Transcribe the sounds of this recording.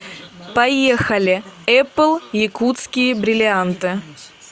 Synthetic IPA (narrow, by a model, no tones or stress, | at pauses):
pɐjexɐlʲɪɛplˠjɪkut̪skʲɪjəbɾʲɪlʲɪant̪ɨ